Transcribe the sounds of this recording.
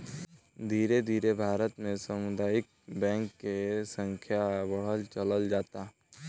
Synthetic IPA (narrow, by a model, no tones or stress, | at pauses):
d̪ʱiːɾed̪ʱiːɾebʱaːɾət̪mẽsəmʊd̪aːɪk̚bɛ̃ːŋkːesə̃ŋkʰjabəɽ̤əlt͡ʃələld͡ʒaːt̪aɦ